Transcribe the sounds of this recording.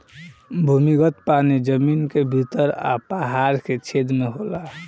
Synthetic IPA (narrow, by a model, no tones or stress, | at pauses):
bʱumikət̪panid͡ʒəminkebʱit̪əɾa̰paɦaɾket͡ʃʰed̪meɦola